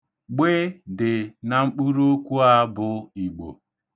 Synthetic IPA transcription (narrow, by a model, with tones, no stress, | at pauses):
ɡ͡be˦dɪ˨na˨ŋ͡m̩˦k͡pu˦ɾo˦kʷu˦a˦bʊ˨i˨ɡ͡bo̰˨